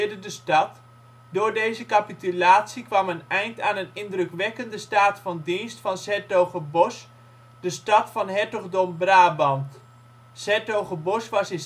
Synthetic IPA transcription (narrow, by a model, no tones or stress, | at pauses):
dədəstɑt | dʊːɹdejzəkapitylaːtsikʋamənɛjntaːnənɪndrøkʋɛkəndəstaːtfɑndinstfɑnsɛtowχəbos | d̥əstɑtfɑnɦɛɹtɔɣdombraːbɑnt | sɛɹtowɣəbosʋɑsɪn